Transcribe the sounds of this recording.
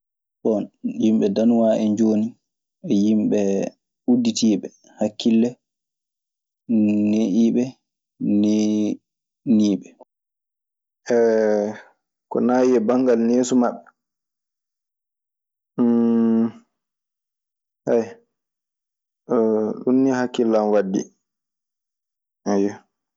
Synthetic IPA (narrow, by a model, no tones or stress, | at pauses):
ɓɔnjimɓɛdanuwaʔɛɲd͡ʒoːni | ɛjimɓɛ | udːitiːɓɛ | hakːilːɛ | nːeʔiːɓɛ | ne | niːɓɛ | ʔɛ | kɔ̰naːjɛbaŋɡalneːsumaɓːɛ | haj | ɗunːihakːilːanwadːḭ | ajɔ